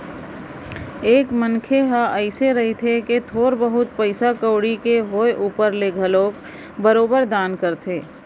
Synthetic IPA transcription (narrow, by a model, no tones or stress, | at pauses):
eːkmənkʰeɦaʔəɪseɾɐɦet̪ʰeket̪ʰoːɾbəɦʊt̪̚pəɪsakəːɽikeɦoːeʔuːpəɾleɡʱəloːk | bəɾoːbəɾd̪aːnkəɾt̪ʰeː